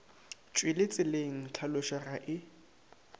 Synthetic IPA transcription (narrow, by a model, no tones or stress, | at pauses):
t͡ʃʼwɪlɪt͡sʼɪleŋ̩t͡ɬʰalʊʃaraʔɪ